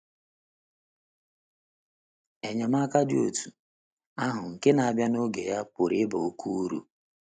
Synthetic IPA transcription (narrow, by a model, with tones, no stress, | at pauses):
e˨ɲa˨m˦a˦ka˦dɪ˦o˨tu˨ | a˦ɦʊ˨ŋ̩˨kɪ˦na˨a˨bja˦no˦ɡe˨ja˦pʊ˨ɾɪ˦ba˨o˦kʰu˦u˦ɾṵ˨